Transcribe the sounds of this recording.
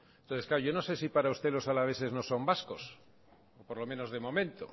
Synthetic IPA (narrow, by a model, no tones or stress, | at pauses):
ent̪oθesklaɾoʝo̞no̞se̞sipaɾaust̪e̞lo̞salaβ̞e̞θe̞zno̞so̞mbasko̞s | opo̞ɾlo̞mẽ̞no̞zðe̞mõ̞mẽ̞nt̪o̰